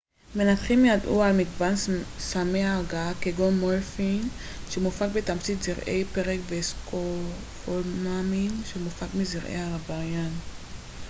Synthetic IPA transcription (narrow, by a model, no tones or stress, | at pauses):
menat̪χimjad̪ʔṵalmiɡbansameaɡakeɡomolfin | ʃemufak̚bet̪amt͡sit̪ziʁʔejpeʁekbeskʰo | folmaminʃemufakmiziʁʔḛjaabaʁjan